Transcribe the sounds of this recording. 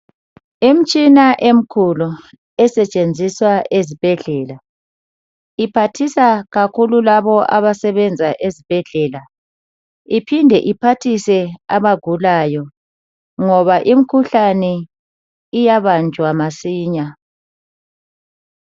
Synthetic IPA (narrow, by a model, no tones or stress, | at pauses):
em̩t͡ʃʼinaʔem̩kʰulu | ɛsɛt͡ʃʼend͡zʱiswaʔezib̥ʱɛɮɛla | ipʰatʰisaɣakʰululaβɔʔaβasɛβɛnd͡zʱaʔezib̥ʱɛɮɛla | ipʰindʱɛʔipʰatʰisɛaβaɡ̥ʱulajɔ | ŋɔβaʔim̩kʰuɬanɛ | ijaβand͡ʒʱwamasiːɲa